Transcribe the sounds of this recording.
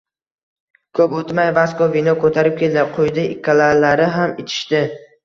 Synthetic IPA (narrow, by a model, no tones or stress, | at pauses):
kʰɵpot̪majvaskovinɒkʰɵt̪ʰaɾɪp̚kʲʰe̞ld̪ɪqʰojd̪ɪɪkʲʰːalalaɾɪɦamɪt̪ʰɪ̥ʃt̪ɪ